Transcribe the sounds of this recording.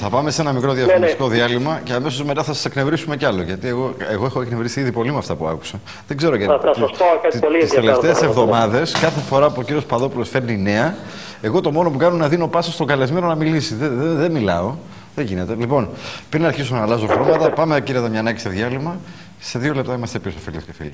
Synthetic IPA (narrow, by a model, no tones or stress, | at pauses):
θɐpɐme̞se̞nɐmikɾo̞ðiɐssiko̞ðiɐlimɐceɐme̞so̞zme̞t̪ɐθɐsɐ̥sekne̞vɾisume̞ceɐlo̞ʝɐt̪ie̞ɣoeɣo̞exoeknevɾisiiðipo̞limɐft̪ɐpuɐ̰ku̥se | ðeɡze̞ɾoʝɐokɐtiist̪eleft̪eːsevðomɐðe̞skɐθe̞fo̞ɾɐpuo̞ciɾiospɐðo̞pulo̞sfe̞ɾnine̞ɐ | e̞ɣo̞t̪o̞mo̞nopukɐnunɐðino̞pɐsost̪oɡɐle̞zme̞no̞nɐmilisiððeðemilɐo̞ | ðeʝine̞t̪e̞lipo̞npɾinɐɾçisumenɐlɐs̬o̞xɾomɐt̪ɐpɐmeciɾiɐt̪ɐmɲɐːnɐci̥st̪eðjɐlimɐ | se̞ðio̞lept̪ɐimɐst̪epiosɐfelio̥cefḭli